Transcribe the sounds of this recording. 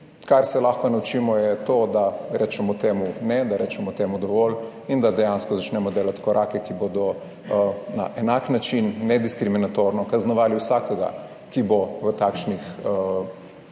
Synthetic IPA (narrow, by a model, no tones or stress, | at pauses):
kaɾsɛlaxkɔnaut͡ʃiːmɔjɛt̪oːd̪aɾɛːt͡ʃɛmɔt̪eːmunɛd̪aɾɛːt͡ʃɛmɔt̪eːmud̪ɔʋɔl | ind̪ad̪ɛjanskɔzat͡ʃnɛmɔd̪eːlat̪kɔɾʔakɛkibod̪ɔ | na̰ʔɛnaknat͡ʃinːɛd̪iskɾiminat̪oɾnɔkaznɔʋaːliwsakɛɡa̰ | kiboʋət̪aːkʃnixə